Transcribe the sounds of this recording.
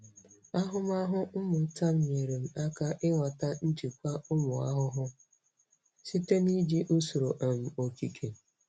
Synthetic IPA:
a˦ɦʊ˦ma˦ɦʊ˦m̩˦mʊ˨˦ta˦m̩˨m˨e˨ɾe˨m̩˨a˦ka˦ʔɪ˦ŋʷa˨ta˦n̩˦d͡ʒi˨kʷa˦ʊ˦mʊ˨a̰˦ɦʊ˦ɦʊ˦ | si˦te˦ni˦d͡ʒi˦ʔʊ˦so˨ɾo˨ʔa˨m̩˨o˨ki˨kʰe˨

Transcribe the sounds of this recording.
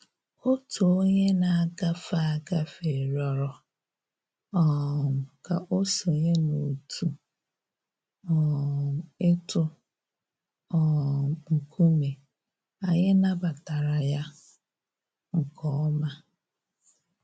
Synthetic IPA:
o˦to˨o˦ɲe˦na˨a˦˨ɡa˦fa˦a˨ɡa˦fe˨ɾɔ˨ɾɔ˨ | ɔ˨m̩˨ka˨ʔo˦so˨ɲe˦no˨tʰu˨ | ɔ˨m̩˨ɪ˦tʊ˦ | ɔ˦˨ŋ̩˨kʰu˦me˨ | a˨ɲɪ˦na˦ba˨ta˨ɾa˨ja˦ | ŋ̩˨kɔ˦˨ɔ˦ma˦

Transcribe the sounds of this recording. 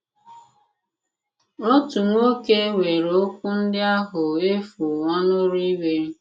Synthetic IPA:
ɾo˦tu˨ŋʷo˦ke˦we˨ɾo˦kʷu˦n̩˦dɪ˦a˦ɦʊ˨e˦fu˨ŋɔ˦nʊ˦ɾi˦we˦ɾ

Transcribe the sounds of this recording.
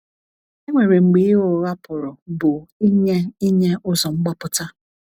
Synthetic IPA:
e˦ŋʷe˨ɾe˨ŋ͡m̩˨ɡ͡biː˨˦ʊ˨˦ɾa˦pʊ˨ɾʊ˨bʊ˨i˦ɲe˦i˦ɲe˦ʔʊ˦zɔ˨ŋ͡m̩˦ɡ͡bɔ˦pʊ˦ta˦

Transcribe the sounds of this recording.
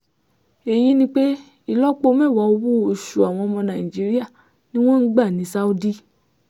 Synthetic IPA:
e˨ji˧˦nĩ˧k͡pe˦ | i˦˨lɔ˦k͡po˧˦mɛ˦˨wa˨˦o˧wu˦o˨ʃu˨a˨w̃ɔ̃˧ɔ˧mɔ̃˧na˨i˨d͡ʒi˨˦ɾi˦a˦˨ | nĩ˦w̃ɔ̃˦n̩˦ɡ͡ba˦˨nĩ˨˦sa˦u˦di˦

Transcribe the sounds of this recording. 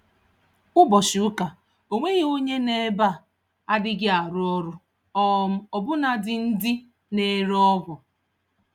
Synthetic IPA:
ʊ˦bɔ˨ʃʊ˨ʊ˦ka˨ | o˨ŋʷe˦ɣi˨o˦ɲe˦ne˦ba˦˨ | a˦dɪ˦ɡɪ˦a˨ɾʊ˦ɔ˦ɾʊ˦ | ɔ˦˨m̩˦ɔ˨bʊ˦na˨dɪ˨n̩˦dɪ˦ | ne˨ɾɔ˦ɡʷɔ˨

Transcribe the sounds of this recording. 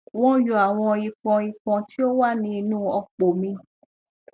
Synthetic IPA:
w̃ɔ̃˦jo˧˨a˨w̃ɔ̃˧ji˧pɔ̃˨˧i˧pɔ̃˧ti˦o˦wa˦˨nĩ˧˦i˧nũː˦ɔ˧k͡po˨mĩ˧

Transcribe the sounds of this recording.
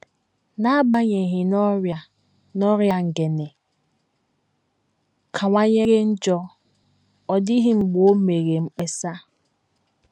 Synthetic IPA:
na˦ba˦ɲe˨ɦɪ˨nɔ˦ɾja˨ | nɔ˦ɾja˦ŋ̩˨ɡe˨ne˨ | kʰa˨ŋʷa˦ɲe˦ɣe˦n̩˦d͡ʒɔ˦ | ɔ˨di˦ɦi˦ŋ͡m̩˨ɡ͡bo˦me˨ɣe˨ŋ͡m̩˦k͡pe˦sa˦

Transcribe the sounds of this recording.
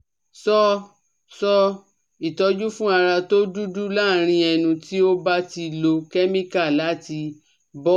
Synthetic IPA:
sɔ˦ | sɔ˦ | i˨tɔ˨˧d͡ʒu˦fũ˦a˧ɾa˧to˦du˦du˦la˦˨ɾ̃ĩ˧ɛ˧nũ˧ti˦o˦ba˦ti˧lo˧kɛ˦mĩ˦ka˦˨la˨˦ti˧ | bɔ˦

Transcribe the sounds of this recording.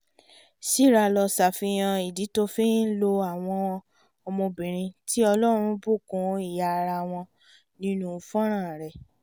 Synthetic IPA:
si˦˨ɾa˧lɔ˧sa˨fi˧j̃ã˧i˨di˨˦to˦fĩ˦lo˧a˨w̃ɔ̃˧ | ɔ˧mõ˧bĩ˨ɾ̃ĩ˧ti˦ɔ˧lɔ˦ɾ̃ũ˧bu˦˨kũ˨˦i˦˨ja˨˧ɾa˧˨w̃ɔ̃˧ | nĩ˦nũ˦˧fɔ̃˦ɾ̃ã˦˨ɾɛ˨

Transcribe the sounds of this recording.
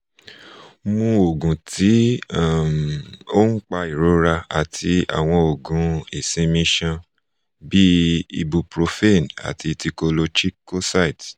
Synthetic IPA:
mũ˧o˨ɡũ˨tʰi˨˦a˦˨mo˦ŋ̩˦k͡pa˧i˨ɾo˨˦ɾa˧a̰˨tʰi˧a̰˨w̃ɔ̃˧o˨ɡũ˨˧e˨sĩ˨˦mĩ˧˦ʃã˧ | bi˦ḭ˧bu˧pɾo˧fe˦˨na̰˨ti˧ti˧ko˧lo˧t͡ʃi˦ko˦sa˦i˨t

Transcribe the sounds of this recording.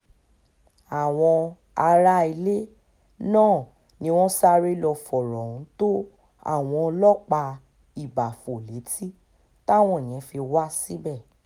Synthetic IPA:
a˨w̃ɔ̃˧ | a˧ɾa˦i˧le˦ | nãː˦˨ | nĩ˧w̃ɔ̃˦sa˦ɾe˦lɔ˧fɔ˨ɾɔ̃˨ũ˨˦to˦ | a̰˦˨w̃ɔ̃˧ɔ˧lɔ˦k͡pa˧ | i˦˨ba˨fo˨le˨˦ti˦ | ta˦˨w̃ɔ̃˧˨j̃ɛ̃˨˦fi˧wa˦si˦bɛ˦˨

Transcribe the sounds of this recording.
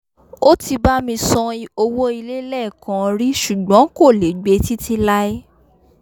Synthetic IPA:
o˦ti˧ba˦mĩ˧sɔ̃˧i˧o˧wo˦i˧le˦lɛ˦˨kã˨˦˧ɾi˦ʃu˨ɡ͡bɔ̃˨˦ko˦˨le˨˦ɡ͡be˧˦ti˦ti˧la˦i˦

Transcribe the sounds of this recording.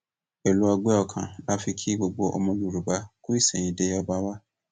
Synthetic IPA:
e˨lu˨˦a˨ɡ͡bɛ˦ɔ˨kʰã̰˨na˦fɪ˦kʰi˦ɡ͡bo˨ɡ͡bo˦ʔɔ̰˦mã˦nu˨ɾu˨ba˦kʰʊ˦i˦sɛ̃˨ĩ˨de˦jɔ˨ba˦wa˦

